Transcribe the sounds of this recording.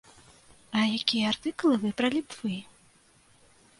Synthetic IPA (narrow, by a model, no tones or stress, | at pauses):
ɐjakʲijɐart̪ɨklˠɨvɨpɾɐlʲipv̥ɨ